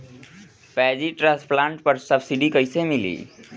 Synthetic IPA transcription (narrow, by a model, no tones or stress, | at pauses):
pɛːd͡ʒiʈɾasplãːɳʈpəɾsəbsiɖikəɪsemɪlḭː